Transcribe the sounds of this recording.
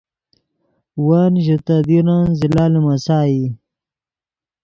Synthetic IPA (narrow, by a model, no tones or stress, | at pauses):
wanʑit̪ad̪iɾanzilaːlimɐsaːi